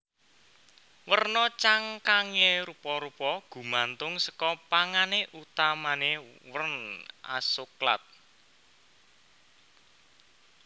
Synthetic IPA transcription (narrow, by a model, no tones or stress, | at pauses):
wərnɔt͡ʃaŋkaŋeɾupɔɾupɔɡ̥ṳmant̪ʊŋsə̥kɔpaŋaneʔut̪amanewənʔa̰sokla̰t̪̚